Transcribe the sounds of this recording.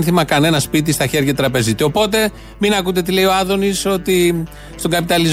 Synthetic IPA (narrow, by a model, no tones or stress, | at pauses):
nθimɐkɐne̞nɐspit̪̬ist̪ɐçe̞ɾʝɐt̪ɾɐpe̞zit̪io̞po̞t̪̬e̞ | minɐkut̪e̞t̪ile̞io̞ɐðo̞niso̞t̪i | st̪o̞ŋɡɐpit̪ɐliz